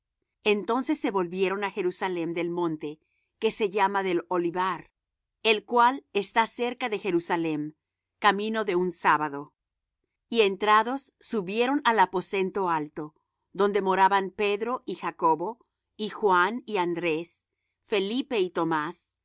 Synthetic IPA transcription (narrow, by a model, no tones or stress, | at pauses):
e̞nt̪o̞nse̞sːe̞βo̞lβje̞ɾo̞naxe̞ɾusale̞md̪e̞lmõ̞nt̪e̞ | ke̞se̞ʝamaðe̞lo̞liβaɾ | e̞lkwalest̪ase̞ɾkaðe̞xe̞ɾusale̞m | kamĩno̞ðe̞unsaβaðo̞ | ie̞nt̪ɾaðo̞sːuβje̞ɾo̞nalapo̞se̞nt̪o̞alt̪o̞ | ðo̞nd̪e̞mo̞ɾaβanpe̞ðɾo̞ʔixako̞βo̞ | ixwaniand̪ɾe̞s | fe̞lipe̞it̪o̞mas